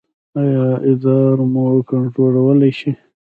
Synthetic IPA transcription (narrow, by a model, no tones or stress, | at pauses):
ajɑɪzɑɾmokaɳʈɾolawəlajʃi